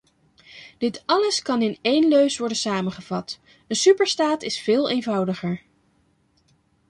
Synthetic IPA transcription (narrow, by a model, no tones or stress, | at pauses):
d̥ɪtɑləskɑnɪnejnløɥsʋɔɹdənsaːmənχəv̥ɑt | ənsypəɹstaːtɪsfɪːlˠejnvʌwdəχəɹ